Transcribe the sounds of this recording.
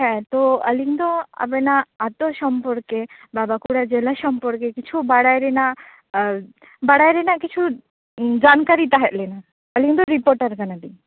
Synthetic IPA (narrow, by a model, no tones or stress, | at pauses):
ɦɛ̃t̪oə̰likd̪oa̰benaat̪oʃɔmpɔɾkebabakuɽad͡ʒelaʃɔmpɔɾkekit͡ʃʰubaɽajɾena | baɽajɾenakit͡ʃʰu | d͡ʒankaɾit̪aɦɛt̪lena | əlikd̪ɔɾipoɾʈaɾkanad̪i